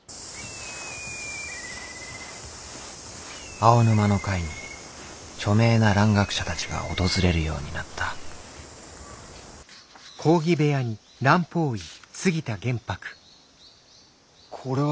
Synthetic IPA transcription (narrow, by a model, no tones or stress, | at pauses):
aonɯ̟mano̞kaiɲ̟i | t͡ɕo̞me̞ːnaɾãŋɡakɯ̥ɕat̪at͡ɕiɡa̰o̞̰t̪o̞zɨɾe̞ɾɯ̟jo̞̰ːɲ̟inat̪ʰːa | kʰo̞ːɡʲibe̞jaɲ̟i | ɾãmpo̞ːisɨɡʲit̪aɡẽ̞mpakɯ̥ | kʰoɾe